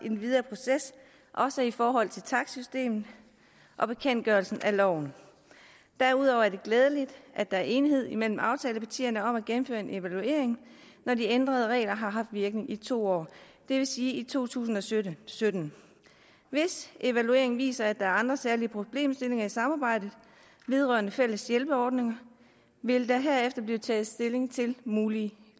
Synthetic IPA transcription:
in̩ʋið̞ˠɐːpʰo̝ses | ʔɒ̽səifɒːɦɒ̽l̰t͡sʰe̝lt͡sʰɑ̈ɡ̥sysd̥e̝̰ːmn̩ˠ | ʔɒ̽b̥e̝kʰen̰d̥̚ɡ̥ɶːɐlsn̩ælɒʊ̰n̩ | d̥æɐuð̞̰ˠɒʊ̰ɐæɐd̥e̝ɡ̥lɛːð̞ˠəlid̥ʔæd̥ɑæɐʔe̝niɦe̝ð̞̰ˠimel̰m̩ɑ̈ʊt͡sʰɛːləpʰæt͡sʰḭːɐnəɒ̽mæɡ̥em̩føːɐe̝nʔe̝ʋælue̝ɐeŋ | nɒdiend̥ʁɐð̞ˠəʁɛ̰ːlɐɦɑ̈ɦɑ̈fd̥ʋiɐɡ̥ne̝ŋʔit͡sʰo̝̰ːɒ̰ː | d̥e̝ʋe̝siːit͡sʰo̝̰ːt͡sʰṵːsn̩ɒ̽sø̥sød̥n̩ | ʋe̝sʔe̝ʋælue̝ɐ̰e̝ŋʋḭːsɐæd̥ɑ̈æɐɑ̈nd̥ʁɐsæɐliəpʰʁo̝b̥le̝̰ːmsd̥e̝le̝ŋɐisɑ̈mɑ̈ːb̥ɑ̈ɪ̰d̥ð̩ˠ | ʋe̝ð̞ˠʁɶɐnəfel̰əsjelb̥əɒːd̥ne̝ŋɐ | ʋe̝ld̥ɑɦeɐefd̥ɐb̥liːʊt͡sʰɛ̰ːð̩ˠsd̥e̝le̝ŋt͡sʰe̝lmuːliə

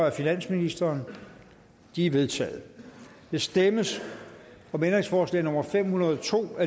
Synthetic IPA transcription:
ɐæfinæn̰sminisd̥ɐːn | d̥iæʋe̝ðˠt͡sʰɛ̰ːð̩ˠ | d̥e̝sd̥eməs | ɒ̽mend̥ʁeŋsfɒːslɛ̰ːnɔ̽mɐfem̰hunɐð̞̩ˠɒt͡sʰo̝̰ːæ

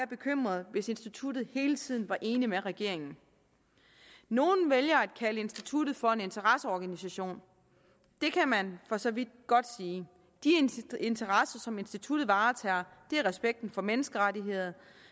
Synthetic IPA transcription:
ɐb̥e̝kʰøm̰ʁɐðˠʋe̝se̝nsd̥it͡sʰud̥ð̩ˠhe̝ːlət͡sʰið̞̰ˠn̩ʋɑ̈ʔe̝ːnimeʁɛɡ̥e̝ɐ̰e̝ŋn̩ | no̝ːn̩ʋeljɐæd̥̚kʰæləe̝nsd̥it͡sʰud̥ð̞̩ˠfɒ̽e̝ne̝nt͡sʰɐʁɑsəɒːɡ̥ænisæɕo̝̰ːn | d̥e̝kʰæmænfɒ̽sɒ̽ʋid̥̚ɡ̥ɒ̽d̥siː | d̥ie̝nt͡sʰɐʁasɐsɒ̽me̝nsd̥it͡sʰud̥ð̩ˠʋɑ̈ːt͡sʰɛːɐd̥e̝æʁɛsb̥eɡ̥̚d̥n̩fɒ̽menəsɡ̥əʁaɾiɦe̝ð̰ˠɐ

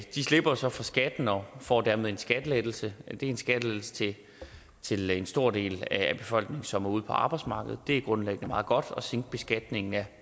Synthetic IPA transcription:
d̥isle̝b̥ɐosɒ̽fʁɑ̈sɡ̥æd̥n̩ɒfɒ̰ːd̥æɐ̰meðˠe̝nsɡ̥æd̥əled̥l̩səd̥e̝e̝nsɡ̥æd̥əled̥l̩sə̥t͡sʰe | t͡sʰe̝lensd̥o̝ɐ̰de̝̰ːlææb̥e̝fɒ̽l̰ɡ̥ne̝ŋn̩sɒ̽mæɐuð̞̰ˠpʰɒ̽ɑ̈ːb̥ɑ̈ɪ̥smɑ̈ːɡ̥əð̞̩ˠd̥e̝æɐɡ̥ʁɔ̽nleɡ̥ənəmɑ̈ːð̞̩ˠɡ̥ɒ̽d̥ɒ̽seŋɡ̥̚b̥e̝sɡ̥æd̥ne̝ŋn̩æ

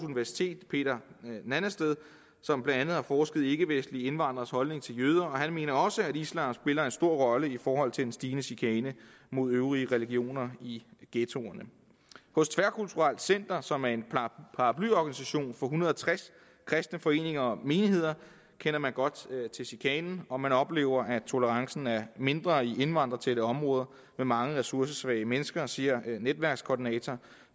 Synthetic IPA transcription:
suniʋæɐsi̥t͡sʰe̝̰ːd̥pʰe̝̰ːd̥ɐnænəsd̥eð̞ˠ | sɒ̽mb̥lænd̥ænð̩ˠhɑ̈fɒːsɡ̥əð̩ˠe̝ɡ̥əʋesd̥lie̝nʋɑ̈n̰d̥ʁɐshɒ̽lne̝ŋt͡sʰe̝ljøːð̞ˠɐɒ̽ɦænme̝̰ːnɐɒ̽səæɾislænsb̥e̝lɐe̝nsd̥o̝ɐ̰ʁɒ̽ləifɒːɦɒ̽l̰t͡sʰe̝d̥ensd̥iːnəsikʰɛːnəmo̝ð̞̰ˠøːʊʁiəʁɛliɡ̥io̝̰ːnɐiɡ̥et͡sʰo̝ɐnə | hɔ̽st͡sʰʋæɐkʰult͡sʰuʁɑl̰d̥sen̰d̥ɐsɒ̽mæɐe̝npʰɑ̈ʁɑpʰlyɒɡ̥ænisæɕo̝̰ːnfɒ̽ɦunɐðˠɐt͡sʰʁas | kʰʁɛsd̥nəfɒ̽e̝̰ːne̝ŋɐɒ̽me̝ːnihe̝ð̰ˠɐ | kʰenɐmænɡ̥ɒ̽d̥t͡sʰe̝sikʰɛːnn̩ɒ̽mænɒ̽b̥le̝̰ːʊ̰ɐʔæt͡sʰo̝ləʁɑ̈ŋsn̩æɐme̝nd̥ʁɐie̝nʋɑ̈n̰d̥ʁɐt͡sʰeɾ̥əɒ̽mʁɔ̽ːð̞ˠɐ | memɑ̈ŋəʁɛsuɐs̬əsʋɛ̰ːɪəmenəsɡ̥ɐsiɐned̥ʋæɐɡ̥skʰɒːdinɛt͡sʰɒ

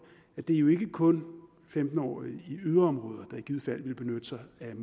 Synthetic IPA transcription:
æd̥e̝ɐjo̝e̝ɡ̥əkʰɔ̽n | femd̥n̩ɒ̰ːiyð̞ˠɐɒ̽mʁɔ̽ːð̞ˠɐd̥ɑ̈iɡ̥ið̰ˠfæl̰ʋe̝lb̥e̝nød̥əsɑ̈ɪæm

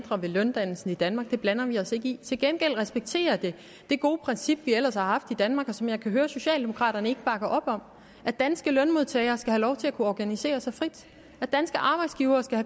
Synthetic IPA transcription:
d̥ʁɐʋe̝lœnd̥æn̰l̩sn̩id̥ænmɑ̈ɡ̥̚d̥e̝b̥lænɐʋiɒ̽se̝ɡ̥əit͡sʰe̝lɡ̥enɡ̥el̰ʁɛsb̥eɡ̥̚t͡sʰe̝̰ːɐd̥e̝ | d̥e̝ɡ̥o̝ːpʰʁɛnsib̥ʋiel̰ɐshɑ̈hɑ̈fd̥id̥ænmɑ̈ːɡ̥ɒ̽sɒ̽mjɑ̈ɪkʰæɦøːɐso̝ɕɛ̰ːld̥e̝mo̝kʰʁɑ̰̈ːɾ̥ɐnəe̝ɡ̥əb̥ɑ̈ɡ̥ɐʔɒ̽b̥ɒ̽m̰ | ʔæ̥ænsɡ̥əlœnmo̝ð̞ˠt͡sʰɛ̰ːɪɐːsɡ̥æhælɒʊt͡sʰe̝lækʰuɒɡ̥ænise̝̰ːɐsɑ̈ɪfʁid̥ | æ̥d̥ænsɡ̥əʔɑ̈ːb̥ɑ̈ɪd̥sɡ̥iːʊɐːsɡ̥æhæ

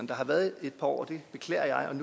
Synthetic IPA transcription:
nd̥ɑ̈ɦɑ̈ʋæɐðˠe̝d̥̚pʰɑɒ̰ʊ̰ɐd̥e̝b̥e̝kʰlɛ̰ːɐjɑ̈ɪɒ̽nu

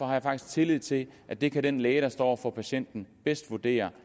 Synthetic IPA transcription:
ɒ̽hɑ̈jɑ̈fɑɡ̥i̥sɡ̥t͡sʰe̝lið̰ˠt͡sʰe̝lʔæd̥e̝kʰæɾ̥enlɛːəɾɑ̈sd̥ɒ̰ːfɒpʰæɕen̰d̥n̩b̥esd̥ʋuɐd̥e̝̰ːɐ

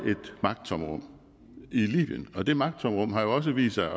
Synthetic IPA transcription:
e̝d̥mɑ̈ɡ̥d̥t͡sʰɒmʁɔ̽m̰ | ilḭːb̥iənɒ̽d̥e̝mɑ̈ɡ̥̚d̥t͡sʰɒ̽mʁɔ̽m̰ɦɑ̈jo̝ɒ̽s̬əʋḭːsɑ̈ɪ

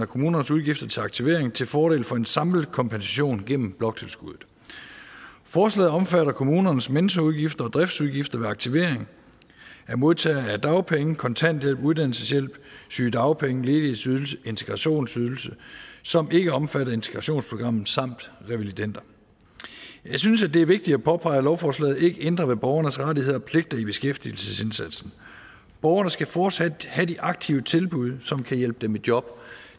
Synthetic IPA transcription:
ɐkʰo̝muːnɐnəsuð̞ˠɡ̥ifd̥ɐt͡sʰe̝lɑ̈ɡ̥t͡sʰiʋe̝̰ɐ̰eŋt͡sʰe̝lfɒːɾe̝̰ːlfɒ̽e̝nsɑ̈ml̩kʰɒ̽mpʰensæɕo̝̰ːnɡ̥en̰m̩b̥lɒ̽ɡ̥̚t͡sʰe̝lsɡ̥uðˠð̩ˠ | fɒːslɛ̰ːð̩ˠɒ̽mfæɾɐkʰo̝muːnɐnəsmenəs̬ɡ̥ɐuð̞ˠɡ̥ifd̥ɐɒ̽d̥ʁɛfd̥suðˠɡ̥ifd̥ɐʋe̝ɑ̈ɡ̥̚t͡sʰiʋe̝̰ɐ̰eŋ | æɐmo̝ðˠt͡sʰɛ̰ːæd̥ɑ̈ʊpʰeŋəkʰɒ̽nt͡sʰæn̰d̥jel̰b̥uð̞ˠd̥æn̰l̩səsjel̰b̥syːd̥ɑ̈ʊpʰeŋəle̝ːdesysəe̝nt͡sʰe̝ɡ̥ʁɑ̈ɕo̝̰ːnsyð̞ˠl̩səsɒ̽me̝ɡ̥əɒ̽mfæɾɐe̝nt͡sʰeɡ̥ʁɑ̈ɕo̝̰ːnspʰʁo̝ɡ̥ʁɑ̈m̰n̩ˠsɑ̈m̰d̥ʁɛʋelid̥en̰d̥ɐ | jɑ̈ɪsynsæd̥e̝æɐʋe̝ɡ̥̚d̥id̥æpʰɒ̽pʰɑ̈ɪəlɒʊfɒːslɛ̰ːð̩ˠe̝ɡ̥əʔend̥ʁɐʋe̝b̥ɒʊɐnəsʁɑdihe̝ð̞̰ˠɒ̽pʰle̝ɡ̥̚d̥ɐib̥e̝sɡ̥efd̥il̩səse̝nsæd̥sn̩ | b̥ɒʊɐnəsɡ̥æfɒːd̥sæd̥hæd̥iʔɑ̈ɡ̥̚t͡sʰiʊət͡sʰe̝lb̥uð̞ˠsɒ̽mkʰæjel̰b̥əd̥emed̥jɒ̽b̥

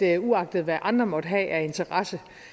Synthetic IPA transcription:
euɑ̈ɡ̥̚d̥ð̞̩ˠʋæʔɑ̈nd̥ʁɐmɒ̽d̥ɦɛ̰ːæɐe̝nt͡sʰɐʁɑsə

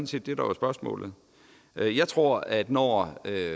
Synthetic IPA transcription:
n̩se̝̰ːd̥d̥e̝ɾ̥ɑ̈ʋɑ̈sb̥ɶɐsmɔ̰̽ːlð̞̩ˠ | jɑ̈ɪt͡sʰʁo̝ɐ̰æd̥nɒø

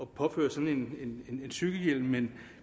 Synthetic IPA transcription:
ɒ̽pʰɒ̽fø̰ːɐsɒ̽ne̝ne̝ne̝ne̝nsyɡ̥əjel̰mːen

